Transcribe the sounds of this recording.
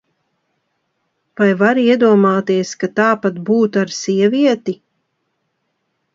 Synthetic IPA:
vajvaɾiɛd̪uɔmaːt̪iɛskat̪aːpat̪̚buːt̪aɾsiɛviɛt̪i

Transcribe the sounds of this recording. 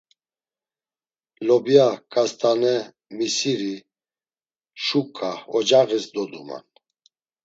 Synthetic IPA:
lɔbjakʼast̪ʼanɛ | misiɾi | ʃukʼːaɔd͡ʒaɣɛsd̪ɔd̪ṵma̰n

